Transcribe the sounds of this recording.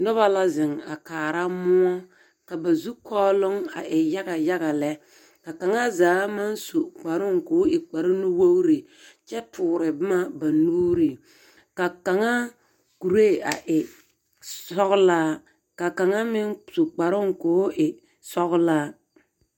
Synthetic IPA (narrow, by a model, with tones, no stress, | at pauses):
nɔ˦βa˦la˦zɪ˨ŋa̰˨kaː˨ɾa˦mʊ˦ɔ˦ | ka˨ba˨zu˦kʰɔː˦lʊ˦ŋa̰˨ʔɪ˨ja˦ɣa˨ja˦ɣa˨lɛ˦ | ka˨ka˨ŋa˦zaː˨˦ma˦nso˨k͡pa˨ɾʊ˦ŋkoː˨˦ɪ˨k͡pa˨ɾɪ˦nʊ˦wo˦wɾi˨ | t͡ʃɛ˦tʰʊː˨ɾɪ˨bʊ˦ma˦ba˨nuː˦ɾi˨ | ka˨ka˨ŋa˦ | ku˨ɾe˦˨a˨ʔɪ˨ | ɔ˦ɣʊ˦laː˦ | ka˨ka˨ŋa˦mɪ˦ŋso˨k͡pa˨ɾʊ˦ŋkoː˨˦ʔɪ˨ | sɔ˦ɣʊ˦laː˦